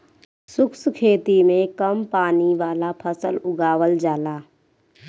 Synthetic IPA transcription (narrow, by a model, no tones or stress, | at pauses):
sʊkskʰeːt̪imẽkəmpaːniʋaːlapʰəsəlʊɡaːwəld͡ʒaːlaː